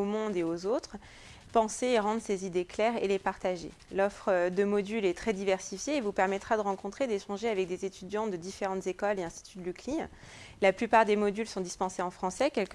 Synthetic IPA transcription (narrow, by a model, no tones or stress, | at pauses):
omɔ̃d̪eozot̪χ | pɑ̃seːʁɑ̃d̪ʁəsezid̪eklɛʁḛlepaʁt̪aʒḛ | lɔfχəd̪əmɔd̪ylɛt̪χɛd̪ivɛʁsifjeːvupɛʁmɛt̪χad̪əʁɑ̃kɔ̃t̪χed̪eʃɑ̃ʒeavɛk̚d̪ezet̪yd̪jɑ̃d̪əd̪ifeʁɑ̃t̪zekɔleɛ̃st̪i̥t̪ʰyd̪əlykli | laplypaʁd̪emɔd̪ylsɔ̃d̪ispɑ̃seɑ̃fχɑ̃sɛkʲɛlk